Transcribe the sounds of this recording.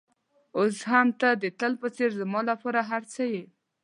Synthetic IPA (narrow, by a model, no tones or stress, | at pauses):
osɦamt̪ad̪ət̪əlpət͡seɾzəmɑlapɑɾaɦaɾt͡səje